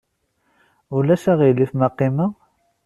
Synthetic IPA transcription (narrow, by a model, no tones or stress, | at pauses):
ʊlæʃæʁilːifmɑqːima